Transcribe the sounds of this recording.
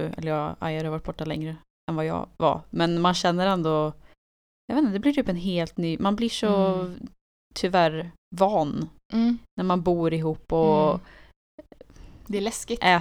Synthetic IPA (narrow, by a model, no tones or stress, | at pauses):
ɛ̰lːəɾjɑːa̰jhaɾhɑvaʈ̚ːb̥ɔʈːalɛ̰ŋɾə | ɛnvɑjɑ̰ːva̰mɛnmanɕɛnːəɾɛnd̪ɔ | jɑveːnəd̪ɛblɪʈʰyːpɛnɦeːlt̪nyːmanblɪʂɔ | t̪ʰʏvæɾ | vɑːnː | næɾmanbuːɾɪɦuːpːɔ | d̪ɛɛlɛskɪʔɛː